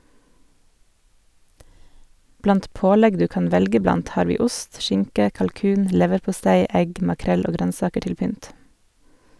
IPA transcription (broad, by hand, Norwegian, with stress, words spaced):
ˈblɑnt ˈpoːˌlɛɡ ˈdʉː ˈkɑːn ˈʋɛlɡə ˈblɑnt ˈhɑːɾ ˈʋiː ˈʊst ˈʃɪŋkə kɑlˈkʉːn ˈlɛʋəɾpʊˌstæɪ ˈɛɡ mɑˈkɾɛl ˈoː ˈɡɾœnˌsɑːkə ˈʈɪl ˈpʏnt